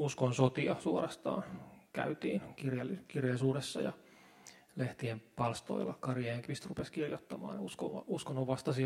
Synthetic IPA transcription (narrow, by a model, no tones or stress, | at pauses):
uskonsot̪iɑsuorɑst̪ɑ̰ːnkæ̰yt̪iːnkirjɑlːikirjɑlːsuːresːɑ̰jɑ̰ | leht̪iempɑlst̪o̰ilːɑkɑrjɑeŋkʋist̪rupeskirjot̪ːɑmɑ̰ːnjuskoɑuskonːoʋʋɑst̪ɑsi